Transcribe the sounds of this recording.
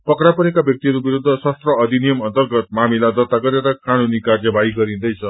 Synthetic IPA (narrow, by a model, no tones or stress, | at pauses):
pʌkrapʌɾekabjʌk̚t̪iɦʌɾubiɾud̪ʱːʌsʌst̪rʌːd̪ʱinijʌmʌnt̪ʌrɡʌt̪̚mamilad̪ʌt̪aɡʌɾeɾʌkanunikard͡zʌbʱaiɡʌɾĩnd̪ʌjt͡sʰʌ